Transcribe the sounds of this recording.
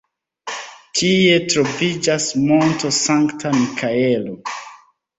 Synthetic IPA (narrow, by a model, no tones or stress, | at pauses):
tʰie̞tɾo̞vid͡ʒasmontosaŋktamikʰaelo